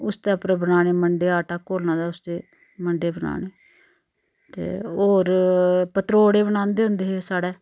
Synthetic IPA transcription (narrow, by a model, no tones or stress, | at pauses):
ʊst̪eːpɾbənaːneːməɳɖeːaːʈaːkoːlnãːd̪aːʊst̪eː | məɳɖeːbəna̰ːɳeː | t̪ḛːoːɾpət̪ɾoːɽeːbənãːnd̪eːɦʊ̃nd̪eːɦesaːɽeː